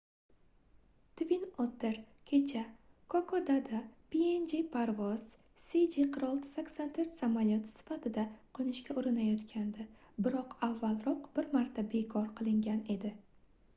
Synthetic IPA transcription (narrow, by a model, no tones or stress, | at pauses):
t̪ʰvinot̪ʰɪɾ | kʲʰe̞t͡ʃʰa | kʰokʰɒd̪ad̪apiend͡ʒepʰaɾvɒz̥ | sid͡ʒiqʰɨɾɒlˠt̪ʰɪ̥sakʲsɒnt̪ʰɵɾt̪samaljot̪ʰɪ̥sɪ̥fat̪ʰɪd̪aqʰonɪʃkʲaʔʊɾɪnajɒt̪kʲʰand̪ɪ | bɪɾɒqavːalˠɾɒqb̥ɪɾmaɾt̪ʰabe̞kʰɒɾqʰɨlˠɪŋɡʲane̞d̪ɪ